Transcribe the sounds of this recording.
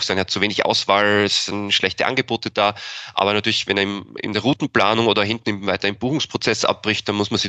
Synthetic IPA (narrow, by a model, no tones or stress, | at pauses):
xsaɪnhat̚t͡suveːnɪçʔa̰ʊsv̥aːlɛsɪnʃlɛçtəʔa̰nɡəboːtəd̥aːʔa̰ːbɐnatʰyːɐlɪçvɛnɛɐmɪ̰ndeːɐʁuːtn̩plaːnʊŋʔoːdɐɦɪntn̩ɪvaɪtɐɪmb̥uːxʊŋspʁ̥ot͡sɛsʔa̰p̚b̥ʁɪçt̚d̥anmʊsmanz̥i